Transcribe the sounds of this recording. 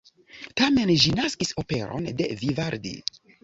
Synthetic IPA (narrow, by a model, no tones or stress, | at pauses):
tame̞nʒinaskiso̞pe̞ɾo̞̰nde̞vivaɾdḭ